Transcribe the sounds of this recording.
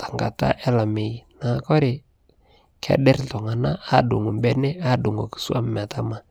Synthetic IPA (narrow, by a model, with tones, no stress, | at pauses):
tḁ˨ŋɡa̰˨ta̰˦ʔɛ˦la˨me˨na˨˦kɔ˦ɾɪ˨ | kʰɛ̰˨˦dɛ˦ɾtɔ˨ŋa˨na˦a˦˨dṵ˨ŋu˨mbɛ˦nɛ˦a˦˨du˨ŋa̰˨ku̥˨su˦a˦m˦m˨a˨ta˦ma˨